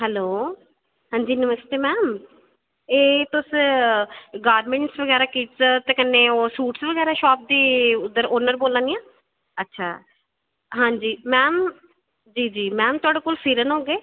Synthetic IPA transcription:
ɦɛloː | ɦãːɲd͡ʒiːnəməst̪eːmɛːm | eːt̪ʊs | ɡaːɾmẽːɳʈsʋəɡɛːɾaːkiːt͡ʃt̪eːkənːeːoːsuːʈsʋəɡɛːɾaːʃɔːp̚d̪iːʊd̪əɾoːnəɾboːlãːnijãː | ətːʃʰa̰ː | ɦãːɲd͡ʒiːmɛːm | d͡ʒiːd͡ʒiːmɛːmt̪ʊaːɖeːkoːlfʰiːɾənɦoːɡeː

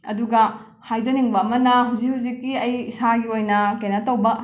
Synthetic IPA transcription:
ɐ̰duɡɐ | hajd͡ʒɐniŋbɐːmɐnɐɦawzikhuwzikːiɐjisaɡiojnɐkenɐtɐwbɐ

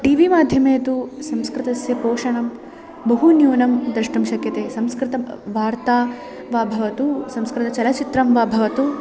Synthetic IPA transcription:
ʈiːʋimaːd̪ʱjɐmeːt̪usɐmskɾɪt̪ɐsjɐpoːʂɐɳɐm | bɐɦunjuːnɐmd̪ɾɐʂʈɐmʃɐkjɐt̪eːsɐmskɾɪt̪ɐʋaːɾt̪aː | ʋaːbʱɐʋɐt̪usɐmskɾɪt̪ɐt͡ʃɐlɐt͡ʃit̪ɾɐmʋaːbʱɐʋɐt̪u

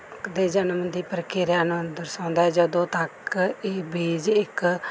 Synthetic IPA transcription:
d̪eːd͡ʒənəmd̪iːpəɾkeːɾjaːnũːd̪əɾsãːnd̪aːɛd͡ʒəd̪õːt̪əkeːbeːd͡ʒɪk

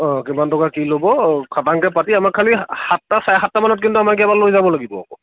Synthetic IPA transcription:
ɔ̃kimantɔkakilobɔkʰataŋkɛpatiamakʰːalihatːasajxatːamanɔt̚kintuamak̬ɛbalojzabɔlaɡibɔ̰ɔ̰kɔ

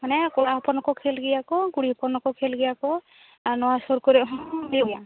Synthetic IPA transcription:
manɛkɔlaɦɔpɔnɔkɔkʰelɡiakɔɡuɽipɔnɔkɔkʰelɡijakɔ | anɔwasɔɾkɔɾilia

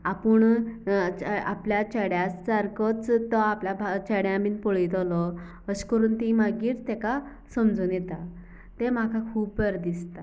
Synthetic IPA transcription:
apəɳ | apljat͡ɕəɽjast͡saɾkɔt͡st̪ːɔapljabʱt͡ɕəɽjãmiːnpoɭit̪ɔlɔ | əɕkəɾuːnt̪imaɡiːt͡st̪ɛka | səmd͡zuːnjet̪a | t̪em̤akʰakʰuːpːəɾd̪ist̪a

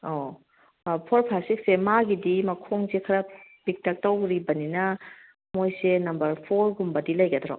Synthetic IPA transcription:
o | pʰoɾpʰasik̚semaɡidimɐkʰoŋsekʰɐɾɐbik̚tʰɐk̚tɐwɾibɐninɐ | mojsenɐmbɐɾpʰoɾɡumbɐdilɐjɡɐdɾɔ̰

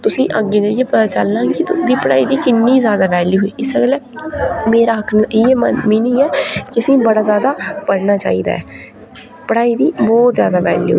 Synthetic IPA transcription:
t̪ʊsĩːʔəɡːeːd͡ʒəijeːpət̪aːt͡ʃəlːãːɡit̪ʊd̪iːpəɽa̰ːiːd̪iːkɪnːiːzjaːd̪aːʋɛːljuːɦoiːɪsəɡlɛːmeːɾaːɦəkʰnɪemmiːnɪːɛːkɪəsĩːbəɽaːzjaːd̪aːpəɽnaːt͡ʃa̰ːḭːd̪a̰ːɛː | pəɽaːiːd̪iːbɔːt̪zjaːd̪aːʋɛ̰ːljṵː

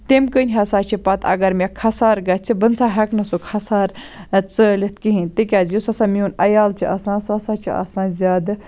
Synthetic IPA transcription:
t̪emkənʲɦɐsaːt͡ʃʰipɐt̪ʰɐ̰ɡɐɾmʲekʰɐsaːɾɡɐt͡ʃʰibənsaːɦɐknɐsokʰɐsaːɾ | t͡səːlʲit̪̚ʰkiɦĩnʲt̪ik̬ʲaːzjusɐsãːmiunɐjaːlt͡ʃʰiʔɐsãːsɐsaːt͡ʃʰḭɐ̰sãːzʲaːd̪

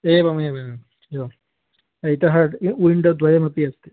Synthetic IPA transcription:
eːbɐmɐeːbɐɐ | joː | ɐjt̪ɐɦɐʈuɳɖɐd̪ʱʋɐjɐmɐpiɐst̪ːi

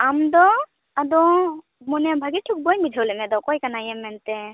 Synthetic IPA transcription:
amd̪ɔ | ad̪ɔ | mɔnɛbʱaɡiʈʰuk̚bɔjmbid͡ʒʱawlɛmɛd̪ɔkɔjkanajɛmːɛnt̪ɛ

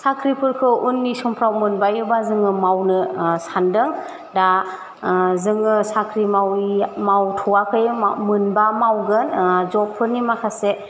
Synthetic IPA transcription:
sakʰɾipʰɯɾkʰɯʔunːisɔmpʰɾawmɯnbajubazɯŋɯmawnɯsandɯŋ | da | zɯŋɯsakʰɾimawmawtʰɔwakʰɯjɯmɯnbamawɡɯnzɔp̚pʰɯɾnimakʰase

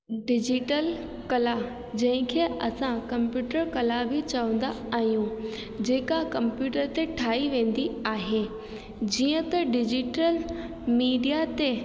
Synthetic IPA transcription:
ɖɪd͡ʑiʈəl | kɐla | d͡ʑɐ̃ɦɪ̃kʰeːɐsãkɐ̃mpjuːʈəɾkɐlabʱit͡ɕɐʋə̃n̆d̪a | aːɦijũ | d͡ʑeːkakɐ̃mpjuːʈəɾt̪eʈʰaːiʋẽːn̆d̪iaːɦeː | d͡ʑiːə̃t̪ɐɖɪd͡ʑɪʈəl | miːɖijat̪e

